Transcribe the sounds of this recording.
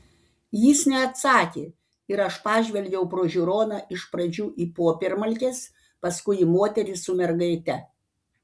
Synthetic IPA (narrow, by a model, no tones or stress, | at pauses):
jiːsnʲɛɐt̪sɑːkʲeː | ɪɾɐʃpɑːʒʲʋʲɛlʲɡʲɛʊpɾoːʒʲʊɾoːnɑʔɪʃpɾɐd͡ʒʲuːʔiːpoːpʲɛɾmɐlʲkʲeːs | pɐskʊɪimoːt̪ʲɛɾʲɪsʊmʲɛɾɡɐɪt̪ʲɛ